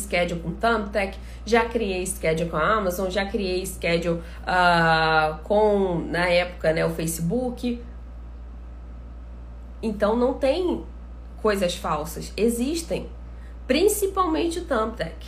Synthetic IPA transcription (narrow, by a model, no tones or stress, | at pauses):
skɛd͡ʒʊkõt̪ɐ̃mp̚t̪ɛk | ʒakɾiejiskɛd͡ʒʊkõamazõw̃ʒakɾiejɪskɛd͡ʒu | a | kõw̃nɐɛpʊ̥kɐnɛʊfejsibukɪ | ẽnt̪ɐ̃w̃nɐ̃w̃t̪ẽj̃ | kojzɐsfawsɐseziʃt̪ẽj̃ | pɾĩsipawmẽnt͡ʃɪʊt̪ɐ̃p̚t̪ɛk